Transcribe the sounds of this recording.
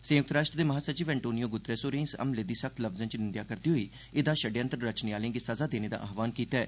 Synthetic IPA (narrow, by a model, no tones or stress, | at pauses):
sə̃ːək̚t̪ɾaːʃʈɾd̪eːməɦaːsət͡ʃiːʋɛ̃ːɳʈoːnijoːɡʊt̪ːɾeːsoːɾẽːsə̰mled̪iːsək̚t̪ləbzə̃nt͡ʃnɪnd̪jaːkəɾd̪iːɦoiː | ɪd̪aːʃəɖjə̃nt̪əɾɾət͡ʃneːaːlẽːɡiːsəzaːd̪eːneːd̪a̰ːʔaːɦʋaːnkiːt̪ɛː